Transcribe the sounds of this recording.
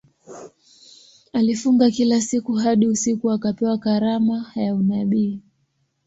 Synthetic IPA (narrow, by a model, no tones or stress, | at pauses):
alifuŋɡakilasikuɦaɗiusikuakapɛwakaɾamajaunaɓiː